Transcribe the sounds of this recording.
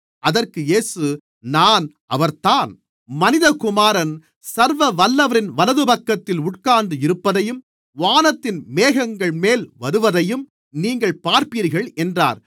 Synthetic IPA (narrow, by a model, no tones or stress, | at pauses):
ʔɐðɐrkɯjeːsɯ | naːn | ʔɐʋɐɾt̪aːn | mɐnɪðɐkʊmaːɾɐn | sɐɾʋɐʋɐlːɐʋɐɾɪnʋɐlɐðɯpɐkːɐt̪ːɪlʊʈ̚kaːnɖɯɪɾɯpːɐðɐjɯm | ʋaːnɐt̪ːɪnmeːɣɐŋɡɐɭmeːlʋɐɾɯʋɐðɐjɯm | niːŋɡɐɭpaːɾpiːɾɣɐɭɛndra̰ːɾ